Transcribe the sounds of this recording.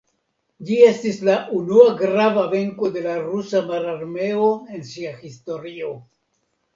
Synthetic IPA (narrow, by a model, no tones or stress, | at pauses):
d͡ʒie̞stislaʔunuaɡɾavave̞ŋko̞d̪e̞laɾusamaɾaɾme̞oe̞nsiaxisto̞ɾio̞